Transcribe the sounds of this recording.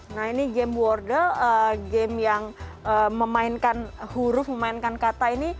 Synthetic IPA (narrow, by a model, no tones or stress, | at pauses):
nahiniɡɛmwɔrdərəɡɛmjaŋ | əməmaɪnkanhuɾʊfməmaɪnkankat̪aini